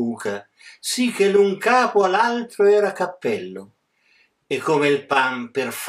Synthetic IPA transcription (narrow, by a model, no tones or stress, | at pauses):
uːkʰa | sik̟ːelːuŋkaːpoalalt̪ɾoɛːɾakapːɛlːo | ekʰːoːmeilpamperf